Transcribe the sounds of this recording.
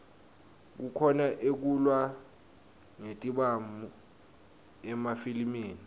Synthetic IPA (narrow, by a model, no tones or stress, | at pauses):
k̬ukʰɔnaʔek̬ulwa | ŋetʼiɓamu | ɛmafilimiːni